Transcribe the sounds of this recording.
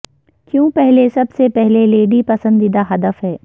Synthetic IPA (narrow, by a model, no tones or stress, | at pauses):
kjõːpɛɦlesɐbsepɛɦleleːɖipɐsə̃nd̪id̪aɦɐd̪əfɦɛː